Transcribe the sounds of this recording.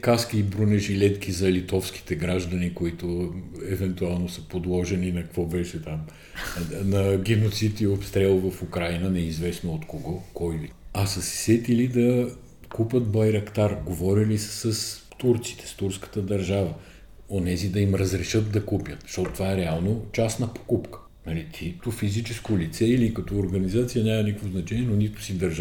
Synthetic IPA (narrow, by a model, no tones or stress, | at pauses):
kaskiːbɾunɛʒilɛt̪k̟ʰizɐlit̪ɔfski̥t̪ɛɡɾaʒd̪ɐnikoit̪ʊɛvɛnt̪ualˠnosəpod̪lˠɔʒɛninɐkvɔbɛʃɛt̪am | nɐɡʲɛnot̪sit̪iopst̪ɾɛlˠvɐfukɾajnənɛizvɛsnoot̪koɡɔkɔjiɐsɐsɛ̥sɛt̪ilid̪ɐ | kupʲət̪bɐjɾɐkt̪aɾɡovɔɾilissəs | t̪uɾt̪si̥t̪ɛ̥st̪uɾskə̥t̪əd̪ɐɾʒavə | onɛzid̪ɐimɾəzɾɛʃət̪̚d̪ɐkupjət̪ʃt̪ɔt̪ot̪ovaɛɾɛalˠnot͡ʃasnɐpo̥kupkə̥ | nɐlit̪ʰit̪ofizit͡ʃɛskolit̪sɛilikɐt̪ɔoɾɡənizat̪sijənʲamɐnikəkvoznɐt͡ʃɛnʲiɛnonit̪ʊ̥sid̪ɐɾʒ